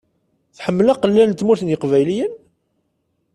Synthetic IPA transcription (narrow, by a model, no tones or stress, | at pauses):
θħəmːlɑqəlːænt̪ːmuɾθənjəqvæjlijən